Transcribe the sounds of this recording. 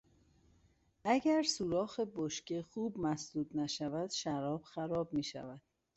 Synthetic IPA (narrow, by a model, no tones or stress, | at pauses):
ʔæɟæɾsuːɾɒːxeboʃcexuːbmæsd̪uːd̪næʃævæd̪̥ʃæɾɒːb̥xæɾɒːb̚miːʃæ̰væd̪̥̚